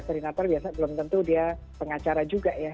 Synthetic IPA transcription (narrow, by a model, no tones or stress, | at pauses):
səɾinat̪arbiasabəlʊmt̪ənt̪udia | pəŋat͡ʃaɾad͡ʒuɡaʔja